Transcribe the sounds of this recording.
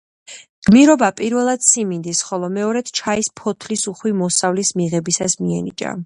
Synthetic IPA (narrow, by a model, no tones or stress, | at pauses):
ɡ̥miɾɔbapʼiɾvɛlˠad̪̥simind̪isχɔlˠɔmɛɔɾɛd̪̥t͡ʃʰaispʰɔt̪ʰlisuχwimɔsavlismiʁɛbisasmiɛnḭt͡ʃʼa̰